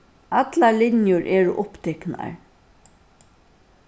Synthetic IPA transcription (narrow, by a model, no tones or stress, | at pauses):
at̪lalɪnjʊɹʔɛːɹʊʔʊpt̪ʰɛkna̰ɹ